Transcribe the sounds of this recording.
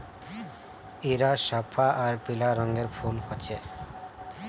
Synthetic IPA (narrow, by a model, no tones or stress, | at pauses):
iɾaʃapʰːaʔaɾpilaɾɔŋɡeɾfʰunhɔt͡ɕʰe